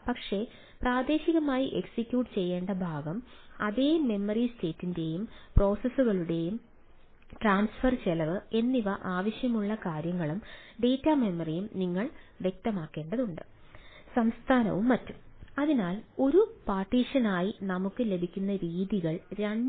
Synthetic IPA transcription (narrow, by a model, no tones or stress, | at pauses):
pɐkʂe̞ | praːd̪e̞ːɕiɣɐmaːjiʔe̞ksikʲjuːʈɨt͡ɕe̞jːeːɳɖɐbʱaːɡɐmɐðeːmːe̞mːɐriste̞ːtːinde̞jumpro̞ːsɐsːuɣɐɭuɽe̞jum | ʈraːnsfɐrt͡ɕelɐʋɨe̞nːiʋɐʔaːʋɐɕjɐmuɭːɐkaːɾjɐŋːɐɭumɖe̞ːtːame̞mːɐrijumniŋːɐɭʋjek̚t̪ɐmaːkːe̞ːɳɖɐðuɳɖɨ | sɐmst̪ʰaːnɐ̰ʋumːɐtːumɐðinaːlo̞ɾupaːrʈːiːʂɐnaːjinɐmukːɨle̞bʱikʲːunːɐɾiːðiɣɐɭɾɐɳ